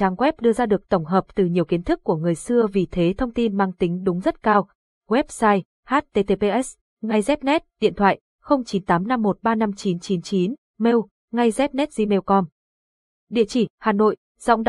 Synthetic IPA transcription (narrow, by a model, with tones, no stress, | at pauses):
aː˨˧ŋɣwɛ˦˥p̚ɗɨ˧əzaː˧ɗɨ˨˩ək̚t̪ə˧˩wŋ͡mɦəː˨˩p̚t̪ɨ˨˩ɲi˨˩əwki˨˦nt̪ʰɨ˦˥kːu˧˩əŋɨ˨˩əjsɨ˧əvi˨˩t̪ʰe˨˦t̪ʰə˧wŋ͡mt̪i˧nmaː˧ŋt̪ï˨˦ŋ̟ɗʊ˨˦ŋ͡mzə˦˥t̚kaː˧w | ɣwɛ˦˥p̚saː˧j | haː˦˥t̚t̪e˧t̪e˧pe˧ʔɛ˦˥s | ŋa˧jzɛ˦˥t̚nɛ˦˥t̚ɗḭ˧˨ənt̪ʰwa̰ː˧˨j | xə˧wŋ͡mt͡ɕi˨˦nt̪aː˨˦mna˧mːo˨˩t̚ɓaː˧na˧mt͡ɕi˨˦nt͡ɕi˨˦nt͡ɕi˨˦n | me˧w | ŋa˧jzɛ˦˥t̚nɛ˦˥t̚zi˧me˧wkɔ˧m | ɗḭ˧˨ət͡ɕi˧˩haː˨˩no̰˧˨j | zɔ̰˧˨wŋ͡mɗ